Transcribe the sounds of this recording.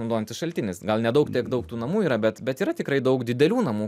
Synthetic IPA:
nɐʊd̪oːjɛnt̪ʲɪsʃɐlʲt̪ʲɪnʲɪsɡɐlˠnʲɛd̪ɐʊkt̪ʲiɛkd̪ɐʊkt̪uːnɐmuːiːɾɐbʲɛt̪bʲɛt̪iːɾɐt̪ʲɪkɾɐɪd̪ɐʊkd̪ʲɪd̪ʲɛlʲuːnɐmuː

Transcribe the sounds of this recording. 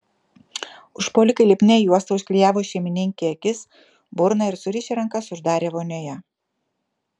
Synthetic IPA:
ʊʃpoːlʲɪkɐɪlʲɪpʲnʲɛjuɔst̪ɐʊʃʲkʲlʲijæːʋoːʃʲɛmʲɪnʲɪŋʲkʲeɐkʲɪs | bʊɾnɐɪɾsʊɾʲɪʃʲiɾɐŋkɐsʊʒd̪ɑːɾʲeːʋoːnʲoːjɛ

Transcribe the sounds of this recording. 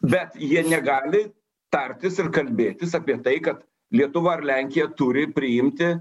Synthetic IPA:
bʲɛt̪jiɛnʲɛɡɑːlʲɪ | t̪ɐrʲt̪ʲɪsɪrkɐlʲbʲeːt̪ʲɪsɑːpʲiɛt̪ɐɪkɐt̪ | lʲiɛt̪ʊʋɐɐrlʲæŋʲkʲɪjɛt̪ʊɾʲɪpʲɾʲɪɪmʲt̪ʲɪ

